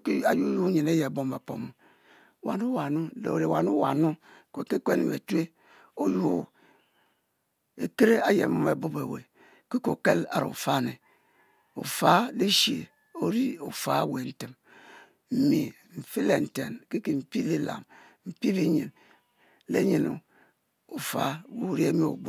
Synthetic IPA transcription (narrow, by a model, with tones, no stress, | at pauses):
ka˨ju˦ju˦ɲi˨ne˦je˨bo˦ma˨po̰˨m˨ | wa̰˨nu˦wa˨nu˦lḛ˨o˨ɾe˨wa˨nu˦wa̰˨nu˦ko˨ke˦ke˦n˨wḛ˨tu˦e˦ | o˦ju˦o˨ | e˨ke˦ɾe˦a˦jḛ˨mu˦me˨bo˦be˨wḛ˨ | ki˦ko˨ke˦la̰˨ɾo̰˨ṵ˨fa˦˨ne˨ | o̰˨fa˦le˦ʃḛ˨ | o˦ɾi˦o˨fa˦we˨n̩˦te˨m | m̩˨mi˨ | m̩˨fi˦le˨n̩˨te˨nki˦ki˨m̩˨pi˦le˦la̰˨m | m̩˨pi˦bi˦ɲi˨n | lḛ˦ɲi˨no̰˨ | u˨fa̰˦wu˦ɾe˦mi˦o̰˨bo˦